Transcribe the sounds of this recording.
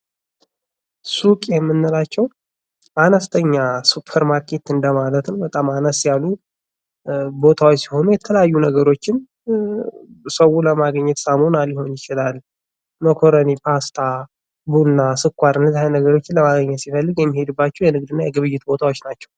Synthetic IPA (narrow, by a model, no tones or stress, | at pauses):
sukʼjɛmːɨnːɨlat͡ʃːɛw | ʔanəst̪ʰəɲːasupʰːəɾmaɾkʰe̞t̪ɨnd̪əmalət̪nəwbət̪ʼamanəsjalːu | bo̞t̪ʰawot͡ʃːsiho̞nujɛt̪ʰələjajːunəɡəɾo̞t͡ʃːɪn | səwuləmaɡəɲːɛt̪samonaljɪho̞njɪt͡ʃɪlal | məkʰoɾənipʰast̪ʰa | bunːasɨkʷːaɾɨndɨzhajnəɡəɾo̞t͡ʃːɪnləmaɡəɲːɛt̪sifəlːɨɡjɛmːihe̞d̪ɨbːat͡ʃːɛwjɛnɨɡ̚d̪ɨnːajɛɡɨβɨjːɪt̪bo̞t̪ʰawo̞t͡ʃːnat͡ʃːɛw